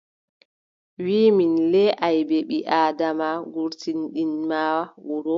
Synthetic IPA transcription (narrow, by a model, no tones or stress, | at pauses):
wiːminlɛʔajbɛɓiʔaːdamaɡuɾtinɗinmaːwawuɾɔ